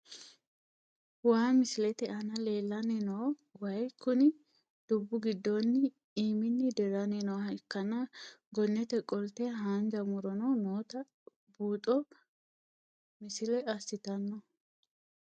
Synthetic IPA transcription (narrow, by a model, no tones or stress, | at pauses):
waːmɪsɪlɛt̪ɛʔɐnɐle̞ːlːɐnɛnɔwwɐjkːʊnɪ | d̪̥ʊbːʊɡɪd̪ːɔnːɪ | iːmɪnːɪd̪ɛɾɐnenɔwɐkːɐnɐɡɔnːɛt̪ɛkʼɔlt̪ɛɦaːnd͡ʒɐmʊɾɔnɔnoːt̪ɐ | buːt̪ʼɔ | mɪsɪlɛɐsːɪt̪ɐnːɔ